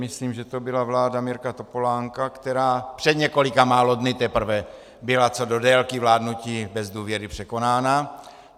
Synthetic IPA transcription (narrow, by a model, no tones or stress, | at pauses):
mɪsliːmʒɛt̪obɪlavlaːdamɪɾkat̪o̞po̞laːŋkakt̪ɛɾaːpr̥ɛd̪ɲɛko̞lɪkamaːlo̞dnɪt̪ɛpr̩vɛ | bɪlat͡sodo̞dɛlkivlaːdnuciːbɛzduːvjɛɾɪpr̝̥ɛko̞naːna